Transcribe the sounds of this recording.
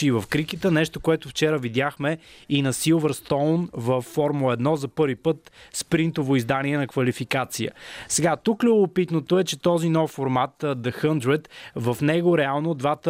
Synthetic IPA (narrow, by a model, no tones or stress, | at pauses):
iːvɐfkɾikit̪ənɛʃt̪okoɛt̪ʊft͡ʃɛɾəvid̪jaxmɛinɐsilˠvəɾst̪ɔlnvɐfːɔɾmulˠəɛd̪nɔzɐpɤɾvipɤt̪spɾint̪ovoizd̪aniɛnɐkvɐlifikat̪sijə̰sɛɡat̪uklʲʊbopit̪not̪oɛt͡ʃɛt̪ɔzinɔfːoɾmat̪d̪ɐxənd̪ɾɛt̪vɐfnɛɡoɾɛalˠnod̪vat̪ə